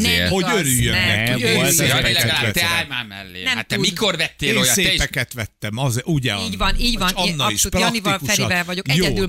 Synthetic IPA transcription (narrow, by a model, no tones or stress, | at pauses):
nɛho̞øɾyjːø̰nnɛːɛ̰kiseːplɛt̪aɛt̪ɛaːjmaːmɛ̰lːḛːnɛmat̪ːɛudmikorvɛt̪ːeːnjsepɛkɛt̪ʋɛt̪ːɛmɒzeʔuɟɛ̰iːɟvɒniːɟvɒnɒnːiʃprɔmivɒlkufʃɛɾivɛvɒɟo̞kɛjoɛːyl